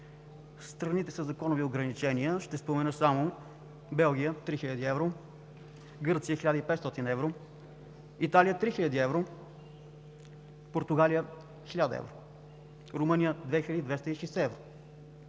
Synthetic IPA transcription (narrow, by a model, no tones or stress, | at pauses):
st̪ɾɐnit̪ɛsəzɐkɔnʊvioɡɾɐnit͡ʃɛniəʃt̪ɛspomɛnɤsamʊ | bɛlˠɡ̟ʲijət̪ɾixilʲəd̪iɛvɾo | ɡɤɾt̪sijəxilʲad̪əipɛt̪st̪ɔt̪inɛvɾo | it̪alijət̪ɾixiʎʲəd̪iɛvɾo | poɾt̪ʊɡalijə | xilʲad̪əɛ̰vɾo | ɾʊmɤnijəd̪vɛxilʲəd̪id̪vɛst̪əiʃɛsɛɛvɾo